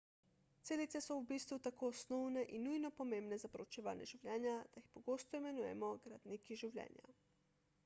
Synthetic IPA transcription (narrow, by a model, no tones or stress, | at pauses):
t̪seːlit̪sɛsɔubiːst̪ʋut̪akoːsnɔwnɛʔinːujnɔpɔmeːmbnɛzapɾɔt͡ʃɛʋa̰ːnjɛ̰ʒiwlʲjɛːnjad̪̥ajixpɔɡoːst̪ɔimɛnuːjɛ̰mɔɡɾad̪nikiʒiwlʲjɛ̰ːnja̰